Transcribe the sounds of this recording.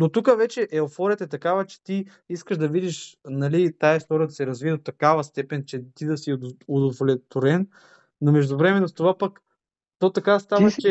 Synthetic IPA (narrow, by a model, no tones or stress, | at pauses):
not̪ukəvɛt͡ʃɛʔɛofɔɾʲət̪əɛt̪ɐkavət͡ʃɛ̥t̪i | iskəʒd̪ɐvid̪iʃnɐlit̪aɛst̪ɔɾəd̪ɐsɛɾɐzviɛd̪ot̪ːɐkavɐst̪ɛpɛnt͡ʃɛt̪id̪ɐsiʊd̪ovolɛt̪ʊɾɛnː | omɛʒd̪ʊvɾɛmɛnːost̪ovapɐk | t̪ot̪ɐkast̪avɐt͡ʃɛ